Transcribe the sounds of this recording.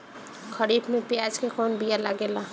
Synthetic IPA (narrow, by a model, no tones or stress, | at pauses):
kʰəɾiːbmẽpjaːd͡ʒkekɔːnbijalaɡeːla